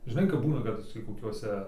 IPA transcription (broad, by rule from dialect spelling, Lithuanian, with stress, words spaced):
ʒʲɪˈnɐɪ kɐp ˈbuːnɐ ˈkɐt tʲiː koːˈkʲuɔsʲɛ